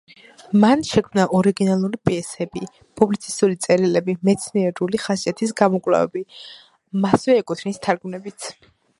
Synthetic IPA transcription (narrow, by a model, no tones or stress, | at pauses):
manʃɛkʰmnaʔɔɾiɡinalˠuɾipʼiɛsɛbi | pʼublit̪sʰi̥st̪ʼulit̪sʼɛɾilɛbimɛt̪sʰniɛɾuliχasat̪ʰisɡamɔkʼvla̰vɛ̰bi | masvɛːkʼut̪ʰnist̪ʰaɾɡmnɛbit̪sʰ